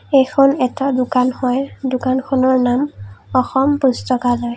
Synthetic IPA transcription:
ejkʰɔnɛtɔdʊkanhɔjdʊkankʰɔnɔɹnamɔxɔmpustɔkalɔj

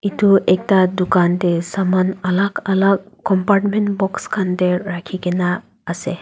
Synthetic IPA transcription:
ituɛk̚tadukantɛsamanalaɡalaɡ̚kɔmpaɾʈmentbɔkskʰantɛɹakʰikɛnaː | sɛ

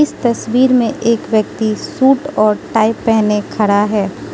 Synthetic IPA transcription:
ɪst̪ɐswiːɾmẽʔeːkʋjək̚t̪isuːʈɔːɾʈaːɪpːɛɦnekʰɐɽaɦɛː

